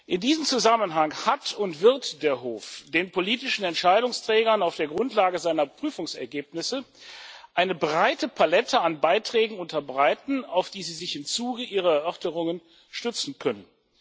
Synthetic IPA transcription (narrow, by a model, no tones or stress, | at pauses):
ʔɪndiːzəmt͡suzamənɦaŋhatʰʊntv̥ɪɐtd̥eːɐɦoːfd̥eːnpoliːtɪʃn̩ɛntʃaɪɾʊŋstʁ̥ɛːɡɐnaʊfd̥eːɐɡʁʊntlaːɡəzaɪnɐpʁ̥yːfʊŋsɛɐɡeːp̚nɪsə | ʔaɪnəbʁaɪtəpʰalɛtʰəanbaɪtʁ̥ɛːɡŋ̩ʊntɐbʁaɪtn̩aʊfd̥iːziːzɪçɪmt͡suːɡəʔiːʁɐɛɐʔœɐtəʁʊŋən | ʃtʏt͡sn̩kʰœnən